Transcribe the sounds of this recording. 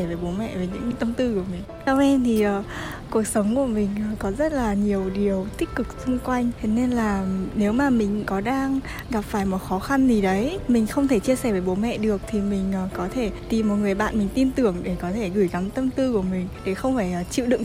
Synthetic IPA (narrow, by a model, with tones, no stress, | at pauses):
veː˨˩˦jɓo˨˦mɛ̰˧˨veː˨˩˦ɲɨ̰˧˥ŋt̪ə˧mt̪ɨ˧ku˧˩əmï˨˩ŋ̟sa˧wʔɛ˧mt̪ʰi˨˩ʔəː˨˩ | ku˨˩ək̚sə˨˦wŋ͡mku˧˩əmï˨˩ŋ̟ː˨˩kɔ˨˦zə˦˥t̚laː˨˩ɲi˨˩əwɗi˨˩əwt̪ï˦˥k̚kɨ˨˩k̚sʊ˧ŋ͡mkwa˧jŋ̟t̪ʰe˨˦ne˧nlaː˨˩ne˨˦wmaː˨˩mï˨˩ŋ̟kɔ˨˦ɗaː˧ŋ | ɣa˨˩p̚faː˧˩jmɔ˨˩t̚xɔ˨˦xa˧nzi˨˩ɗə˨˦jmï˨˩ŋ̟xə˧wŋ͡mt̪ʰe˧˩t͡ɕi˧əsɛ˧˩veː˨˦jɓo˨˦mɛ̰˧˨ɗɨ˨˩ək̚t̪ʰi˨˩mï˨˩ŋ̟ʔəː˨˩kɔ˨˦t̪ʰe˧˩t̪i˨˩mɔ˨˩t̚ŋɨ˨˩əjɓa̰ː˧˨nmï˨˩ŋ̟t̪i˧nt̪ɨ˧˩əŋɗe˧˩kɔ˨˦t̪ʰe˧˩ɣɨ˧˩jɣa˨˦mt̪ə˧mt̪ɨ˧ku˧˩əmï˨˩ŋ̟ɗe˧˩xə˧wŋ͡mfaː˧˩jʔt͡ɕḭ˧˨wɗɨ̰˧˨ŋ